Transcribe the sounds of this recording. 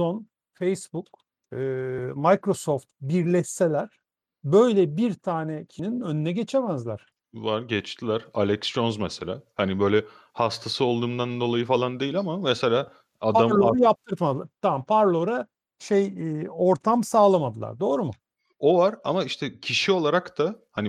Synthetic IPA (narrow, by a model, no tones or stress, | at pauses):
on | fejsbuk̚ | ɯːmajkɾo̞so̞ft̪̚biɾlʲɛsːe̞lʲæɾ̥ | bø̞jlʲɛbiɾt̪ʰaːnɛcʰininø̞nynɛɟe̞t͡ʃʰemæzlʲæ̰ɾ̥ | vaɾɟɛt͡ʃt̪ʰilʲæɾalʲɛksd͡ʒonzmɛselʲa̰ːhanibø̞jlʲɛ | hast̪ʰasɯo̞lˠd̪uːmd̪and̪o̞lˠajɯfalˠand̪ejilʲamamɛselʲaː | ad̪aaɾjap̚t̪ʰɯɾt̪mad̪ɯlˠaɾt̪ʰampʰaɾlˠo̞ɾa | ʃejo̞ɾt̪ʰamsaːlˠamad̪ɯlˠa̰ɾd̪oːɾumʊ | o̞vaɾa̰maiʃt̪ʰɛcʰiʃio̞lˠaɾakd̪ahani